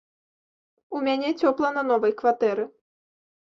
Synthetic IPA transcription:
umʲanʲɛt͡sʲɔplˠɐnɐnɔvɐjkvat̪ɛɾɨ

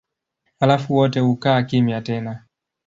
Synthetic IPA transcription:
halafuwɔtɛhukaːkimjatɛna

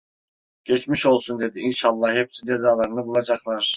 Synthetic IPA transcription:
ɟ̥ɛt͡ʃmiʃo̞lˠsund̪e̞d̪iinʃalˠːɑhhɛpsid͡ʒe̞zaːlˠaɾɯnɯbulˠad͡ʒaklˠaɾ̥

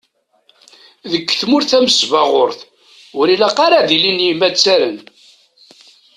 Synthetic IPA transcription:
ðəkːθmʊɾθæməsvaʁʊɾθ | ʊɾilaqɑɾaðilinjimæt͡sːæɾən

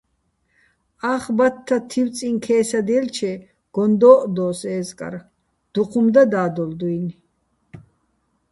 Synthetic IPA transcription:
aχbat̪ʰːat̪ʰiw̪t͡sʼiŋkʰɛːsad̪ɛlt͡ʃʰɛ | ɡ̥ɔnd̪ɔːʔd̪ɔːsɛːzkʼa̰ɾ | d̪̥uqʰumd̪ad̪aːd̪ɔld̪ujn

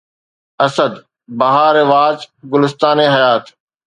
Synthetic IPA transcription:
ɐsəd̪ | bɐɦaːɾɪʋaːd͡ʑɡʊlɪst̪aːneɦɐjaːt̪

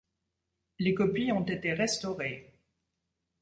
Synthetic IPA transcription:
lekɔpiɔ̃t̪et̪eʁɛst̪ɔʁe

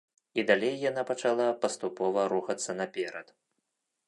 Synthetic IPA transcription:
id̪alʲejːanapɐt͡ʂalˠapɐst̪upɔvɐɾuxɐt̪sːɐnɐpʲɛɾɐt̪

